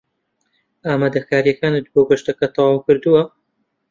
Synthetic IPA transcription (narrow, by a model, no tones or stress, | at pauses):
aːmaːd̪ɐkʰaːɾijɐkaːnɨt̪̚boːɡɐʃt̪ɐkɐt̪ʰɑwɑːwkɨɾd̪uwɐ